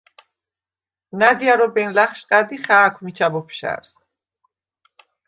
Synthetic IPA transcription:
nad̪iaɾɔbɛnlaχʃqʼad̪iχaːkʷʰmit͡ʃʰabɔpʰʃa̰ɾs

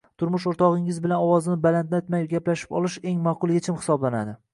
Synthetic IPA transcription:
t̪ʰʊɾmʊʃ̬oɾt̪ʰɒʁɪŋɪzbɪlanɒwɒzɪnɪbalant̪let̪majɡʲaplaʃɪ̥pɒlˠɪʃe̞ŋmaqʊlˠjet͡ʃʰɪmhɪ̥sɒblanad̪ɪ

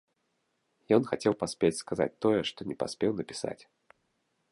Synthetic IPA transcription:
jɔnxat͡sʲɛwpasʲpʲet͡sʲskaza̰t͡sʲt̪ɔjɛʂt̪ɔnʲɛpa̰sʲpʲɛwnɐpʲi̥sa̰t͡sʲ

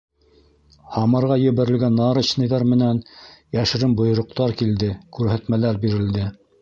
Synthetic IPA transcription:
hɑmɑɾʁɑjɘ̆βɘ̆ɾɘ̆lɡænːɑɾɤt͡ɕnɤ̆jðɑɾmɘ̆nænjæʃɘ̆ɾɘmbŏj̆ɾŏq̚t̪ɑɾkild̪ɘkʉɾɦæt̪mælæɾbiɾɘ̆ld̪ɘ

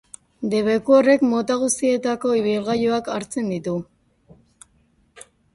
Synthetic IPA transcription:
d̪e̞βe̞kuore̞kmo̞t̪aɣ̞ust̪ie̞t̪ako̞iβilɣajoakaɾt͡se̞nd̪it̪u

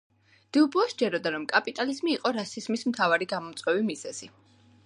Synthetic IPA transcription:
d̪̥ɛubuɔsd͡ʒɛɾɔd̪aɾɔmkʼapʼit̪ʼalizmiːqʼɔɾasizmismt̪ʰavaɾiɡamɔmt̪sʼwɛvimiz̥ɛz̥i

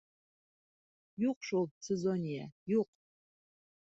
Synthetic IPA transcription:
juqʂulˠsezonʲijajuq

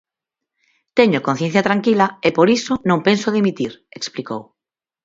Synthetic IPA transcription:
t̪eɲokõn̟θjẽn̟θjat̪ɾaŋkilaepoɾisonõmpensoðimit̪iɾeksplikow

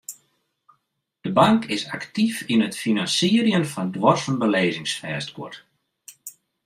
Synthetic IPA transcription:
d̥əbaŋkɪsa̰ktifinətfinansiəɾjənfɔndʋɔrsənbəleːzɪŋsfɛːstkʰʊ̰t

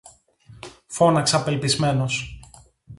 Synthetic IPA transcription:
fo̞nɐksɐpe̞lpizme̞no̞s

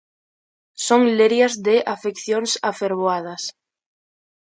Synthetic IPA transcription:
soŋleɾjazðeʔafekθjonsafeɾβoað̞as

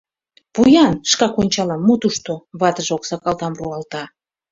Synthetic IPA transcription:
pujɑnʃkɑkonʲt͡ɕɑlɑmːut̪uʃt̪oβɑt̪əʒoksɑkɑlˠt̪ɑmruɑlt̪ɑ

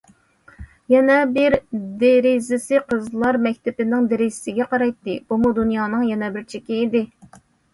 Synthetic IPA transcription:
jɛnɛbɪɾd̪eɾɪzɪsɪqʰəzlˠɑɾmɛkʲt̪ɪpɪnɪŋd̪eɾɪzɪsɪɡʲɛqʰɑɾɑjt̪ːɨb̥umud̪unjɑːnɨŋjɛnɛbɪɾt͡ʃʰekʲiːd̪ɪ

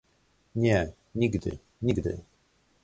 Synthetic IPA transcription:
ɲʲɛ | ɲiɡd̪ɘ̰ | ɲʲiɡd̪ɘ̰

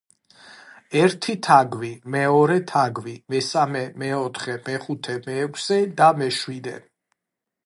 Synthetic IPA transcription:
ɛɾt̪ʰit̪ʰaɡvimɛɔɾɛt̪ʰaɡwimɛsamɛmɛɔt̪ʰχɛmɛχut̪ʰɛmɛːkʷʰsɛd̪amɛʃwid̪ɛ̰

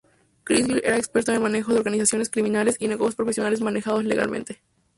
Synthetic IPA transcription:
kɾizɡliɾʔe̞ɾaekspeɾt̪onelmane̞xoðeoɾɣanisasjo̞ne̞skɾimĩnale̞sinekoɣospɾo̞fe̞sjo̞nale̞zmane̞xaðo̞sle̞̰ɣa̰lmḛ̃nt̪e

